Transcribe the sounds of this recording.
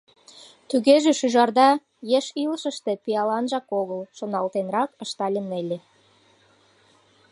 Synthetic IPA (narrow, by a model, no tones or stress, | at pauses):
t̪yɣeʒeʃyʒɑrd̪ɑ | jeʃilʃə̆ʃt̪ĕpijɑlɑnʒɑkoɣəlʃonɑlt̪enrɑkə̆ʃt̪ɑlʲenelʲe